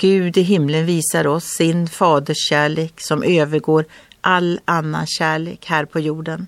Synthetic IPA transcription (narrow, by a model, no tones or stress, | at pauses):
ɡ̥ʉ̟ːd̪ɪɦɪmlənviːsaɾɔsːɪnfɑːd̪əʂɕæːɭeːksɔmʔøːvəɾɡoːɾʔalanːa̰ɕæːɭḛːkhæːɾpʰɔjuːɖən